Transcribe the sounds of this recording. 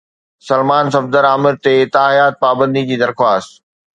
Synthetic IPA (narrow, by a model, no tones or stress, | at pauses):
sɐlmaːnsɐfd̪əɾaːmɪɾt̪et̪aːijaːt̪̚paːbə̃nd̪id͡ʑiːd̪ɐɾxwaːst̪